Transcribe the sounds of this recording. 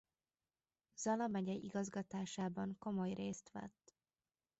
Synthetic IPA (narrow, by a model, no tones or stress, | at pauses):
z̥ɒlɒmɛɟɛiɡɒzɡɒt̪aːʃaːbɒŋko̞mo̞jreːst̪ʋɛ̰t̪ː